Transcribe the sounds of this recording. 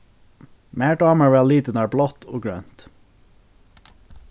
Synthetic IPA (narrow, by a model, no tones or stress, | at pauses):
mæːɖɑːməʋɛːliːt̪ənæːɹblɔt̪ʰo̰ːɡɹø̰ːnt̪